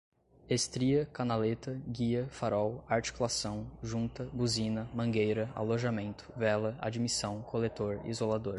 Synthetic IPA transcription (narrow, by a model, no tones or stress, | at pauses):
est̪ɾiɐkanalet̪ɐɡiɐfaɾɔwaɾt͡ʃi̥kulasɐ̃w̃ʒũnt̪ɐbuzĩnɐmɐ̃ɡejɾɐa̰loʒamẽnt̪ʊ̥vɛlɐa̰d͡ʒimisɐ̃w̃kʰolet̪oɾḭzolad̪oɾ